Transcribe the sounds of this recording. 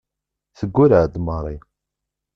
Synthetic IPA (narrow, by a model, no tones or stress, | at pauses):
θəɡʷːʊɾəʕd̪mərˤi